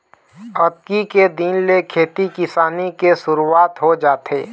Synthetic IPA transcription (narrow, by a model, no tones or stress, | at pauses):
ɐt̪̚kiked̪inlekʰeːt̪ikɪsaːnikesʊɾuaːt̪ɦod͡ʒaːt̪eː